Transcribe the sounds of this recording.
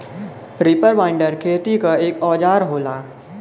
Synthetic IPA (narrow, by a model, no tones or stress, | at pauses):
ɾɪpəɾʋaːɪ̃ɳɖəɾkʰeːt̪ikaeːkɔːd͡ʒaːɾɦoːlaː